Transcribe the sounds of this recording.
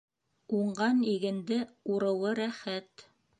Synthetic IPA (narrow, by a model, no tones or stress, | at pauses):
uɴɢɑniɡɘ̆nd̪ɘuɾɤ̆wɤɾæχæt̪